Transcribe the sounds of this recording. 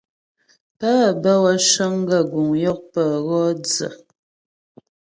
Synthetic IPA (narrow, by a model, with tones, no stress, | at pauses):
pa˦˨bə˦wa˦ʃə˦ŋ˦ɡə˦˨ɡu˨ŋjɔ˦k̚pə˨ɣɔ˦d͡zə̰˨